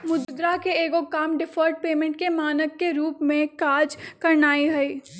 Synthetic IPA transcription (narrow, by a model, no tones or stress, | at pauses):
mʊd̪d̪ɾakeeːɡokaːmɖɪfʰɔːɾʈ̚peːmẽɳʈ̚kemaːnəkːeɾuːpmẽkaːd͡ʒkɐɾnaːiɦɛiː